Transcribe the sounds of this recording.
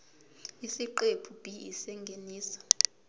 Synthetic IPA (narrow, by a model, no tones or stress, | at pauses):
isiǃepʰub̥ʼʱiḭsɛŋɡʱeniːsɔ̥